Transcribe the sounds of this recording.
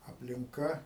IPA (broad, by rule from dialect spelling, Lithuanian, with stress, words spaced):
ɐpʲlʲɪŋˈkɐ